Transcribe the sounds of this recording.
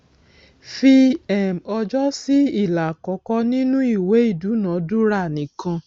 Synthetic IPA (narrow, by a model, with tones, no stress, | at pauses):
fi˧ɛ˨mɔ˧d͡ʒɔ˦si˦i˦˨la˨kɔ˨˧kɔ˦nĩ˦nũ˦i˦˨we˨˦i˦˨du˨˦nã˨˦du˦ɾa˦˨nĩ˨˦kã˧